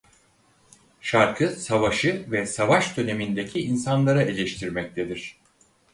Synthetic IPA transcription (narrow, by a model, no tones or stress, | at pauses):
ʃaɾkʰɯsavaʃɯvɛsavaʃd̪ø̞ne̞mind̪e̞cʰiinsanlˠaɾaʔelʲeʃt̪ʰiɾmɛc̚t̪ʰed̪iɾ̥